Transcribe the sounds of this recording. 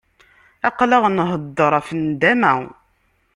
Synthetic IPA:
æqləʁnɦəd̪ːəɾˤæfənd̪æmæw

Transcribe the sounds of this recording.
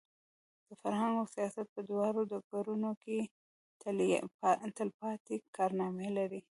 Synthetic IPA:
d̪̥əfaɾhaŋɡawsijɑsat̪̚pəd̪wɑɾod̪ɑk̚ɡ̪aɾunoke | t̪əlpɑt̪ekɑɾnɑmelaɾi

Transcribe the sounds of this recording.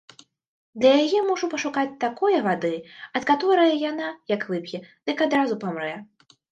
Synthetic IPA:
d̪lʲɐjajɛmɔʐupɐʂukat͡sʲt̪akɔjɐvad̪ɨɐt̪kat̪ɔɾɐjɐjanajɐkvɨpjʲɛd̪̥ɨkad̪ɾazupamɾɛ

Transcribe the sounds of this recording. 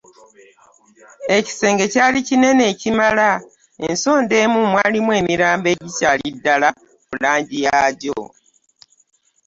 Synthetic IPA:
e̞ci̥se̞ːŋɡe̞caːlicine̞ne̞ːcimala | enso̞ːnde̞ːmumwaːlimwe̞ːmiɾaːmbe̞ːɟicaːlidːala | kulaːɲɟijaːɟo̰

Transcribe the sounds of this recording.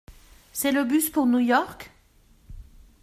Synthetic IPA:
sɛloːbʉspʰonuːjoːʁk

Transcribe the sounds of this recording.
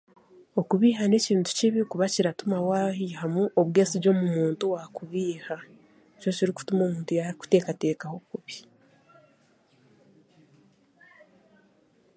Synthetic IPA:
o̞kuβiːɦane̞ciːntu̥ciβikuβaciɾatumawahihamuʔo̞βweːsiɟo̞ːmumuːntuwakuβiːha | eco̞ciɾiku̥tumo̞ːmuːntujaiku̥te̞ːkate̞ːkaho̞kuβi

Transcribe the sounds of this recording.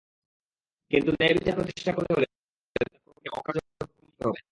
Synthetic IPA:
kint̪unebit̪apɾot̪iʃʈakoɾeɦole | eepokeɔkad͡ʑo | ouit̪oɦɔbe

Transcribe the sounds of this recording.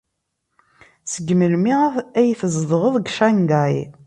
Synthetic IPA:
səɡməlmiʁæjθəzˤðˤʁəðˤɡʃæŋɡaj

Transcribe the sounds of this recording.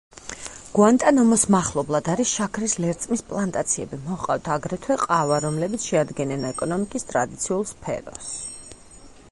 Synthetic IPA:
ɡ̥want̪ʼanɔmɔsmaχlˠɔblˠad̪aɾisʃakʰɾislɛɾt̪sʼmispʼlˠant̪ʼat̪sʰiɛ̰bimɔqʼaft̪ʰaɡɾɛt̪ʰwɛqʼavaɾɔmlɛbit̪sʰʃɛad̪ɡɛnɛnɛkʼɔnɔmikʼist̪ʼɾad̪it̪sʰiulˠspʰɛ̰ɾɔs

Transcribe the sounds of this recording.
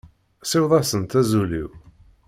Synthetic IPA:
sɪwðˤɑsənt̪æzulḭw

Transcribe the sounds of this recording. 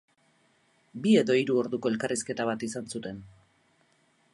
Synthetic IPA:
bie̞ðo̞iɾuo̞ɾðuko̞e̞lkariske̞t̪aβ̞at̪isansut̪e̞n

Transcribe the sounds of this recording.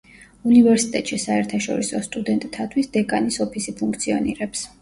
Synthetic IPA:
univɛɾsit̪ʼɛt̪ʼʃisaɛɾt̪ʰaʃɔ̰ɾisɔst̪ʼud̪ɛnt̪ʼt̪ʰːat̪ʰwisd̪ɛkʼanisɔpʰisipʰuŋkʰt̪sʰiɔ̰nḭɾɛps

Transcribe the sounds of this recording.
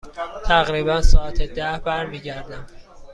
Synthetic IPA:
t̪ʰæɣɾiːbænsɒːæt̪ʰed̪æhbæɾmiːɟæɾd̪æm

